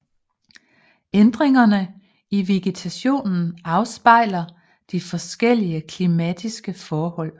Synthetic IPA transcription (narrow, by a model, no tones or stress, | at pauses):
end̥ʁeŋɐnə | iʋeɡ̥et͡sʰæɕo̝̰ːnn̩ɑ̈ʊsb̥ɑ̈ɪ̰lɐ | d̥ifɒ̽sɡ̥el̰iəkʰlimæd̥isɡ̥əfɒːhɒ̽l̰